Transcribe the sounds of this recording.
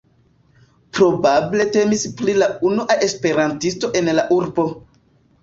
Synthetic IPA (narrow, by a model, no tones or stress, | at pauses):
pɾo̞bable̞te̞misplilaunuʔaʔe̞spe̞ɾantisto̞ʔe̞nlaʔuɾbo̞